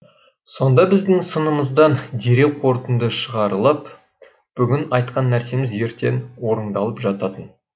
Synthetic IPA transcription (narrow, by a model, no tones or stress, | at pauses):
so̞nd̪ɑbɪzd̪ɪŋsənəməzd̪ɑnd̪eɾe̞wqʰo̞ɾt̪ənd̪əʃəʁɑɾəlˠəp | b̥ʏɡʲɪnɑjt̪̚qɑnːæɾse̞mɪzje̞ɾt̪e̞nwo̞ɾəɴd̪ɑlˠəpʒɑt̪ɑt̪ən